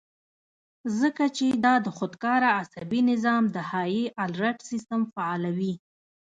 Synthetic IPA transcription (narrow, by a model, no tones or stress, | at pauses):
zəkat͡ʃed̪ɑd̪əxod̪kɑɾaːsabinɪzɑmd̪əhɑjiʔalɾaʈsist̪əmfaɑlawi